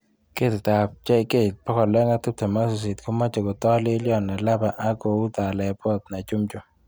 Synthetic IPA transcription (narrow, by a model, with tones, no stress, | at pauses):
ke˦tt̪a˨p̚t͡ʃa˦ɪ˨ke˦˨t̚pɔ˦kɔ˨lɛ˦ŋa˦t̪u˦p̚ta˨ma˦sʊ˨s̬i˨t̪ko˦ma˦t͡ʃɔ˨ɡɔ˨t̪ɔ˦lɪ˦ljɔ˦˨na˨la˦ba˨ʔa˦ɡo˨u˦t̪a˨lɛ˨pɔ˦t̪na˨t͡ʃu˦mt͡ʃo˨